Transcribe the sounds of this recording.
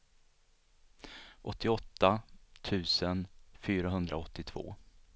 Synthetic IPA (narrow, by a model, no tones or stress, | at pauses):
ʔɔt̪ʰːɪɔt̪ːat̪ʰʉ̟ːsənfyːɾaɦɵnd̪ɾaɔt̪ːɪt̪ʰv̥o̰ː